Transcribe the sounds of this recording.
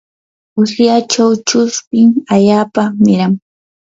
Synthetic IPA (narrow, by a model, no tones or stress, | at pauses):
ʊsjat͡ʃawt͡ʃʊspɪŋaʎaːpamɪɾaŋ